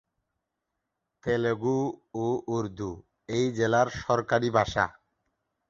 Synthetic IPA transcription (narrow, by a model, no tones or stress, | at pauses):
t̪eleɡuoʔuɾd̪ʱu | ejd͡ʑelaɾʃɔɾkaɾibʱaʃa̰